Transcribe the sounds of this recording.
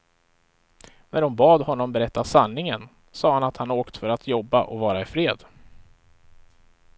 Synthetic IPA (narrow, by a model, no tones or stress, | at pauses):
næɖʊmbɑːd̪hɔnːɔmbɛɾɛt̪ːasanːɪŋən | sɑːhanat̪hanoːkt̪fœɾat̪ʰjɔbːa̰ʔɔ̰vɑːɾaɪfɾeːd̪